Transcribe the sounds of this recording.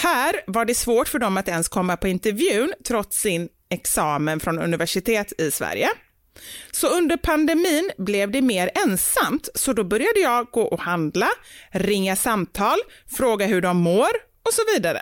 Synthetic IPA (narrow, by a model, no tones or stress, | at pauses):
hæːɾvaɖɛsvoːʈfœɖɔmat̪ɛnskʰɔmːapʰɔɪnt̪ɛɾvjʉ̟ːnt̪ʰɾɔt̪sɪn | ɛksɑːmənfɾɔnɵ̰nɪvæʂɪt̪ʰeːt̪ʰɪsvæ̰ɾjə | sɔɵnd̪əɾpʰand̪ɛmiːnblɛvd̪ɛmeːɾɛnsamt̪sɔd̪ɔbœɾjad̪əjɑːɡoːʔɔhand̪laɾɪŋːasamt̪ʰɑːlfɾoːɡaɦɵɖɔmːoːɾ | ɔsɔviːd̪aɾə̰